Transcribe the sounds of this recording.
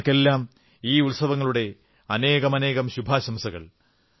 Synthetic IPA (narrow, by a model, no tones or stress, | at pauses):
kːe̞lːaːm | iːulsɐʋɐŋːɐɭuɽe̞ | ɐne̞ːɣɐmɐne̞ːɣɐmɕubʱaːɕɐmsɐɣɐ̰ɭ